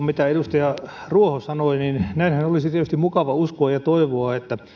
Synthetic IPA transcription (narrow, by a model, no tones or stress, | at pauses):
mit̪æeɾust̪ɑjɑruohosɑnoininnæinhænolisit̪iet̪yst̪imukɑʋɑuskoɑjɑt̪oiʋoɑet̪ːæ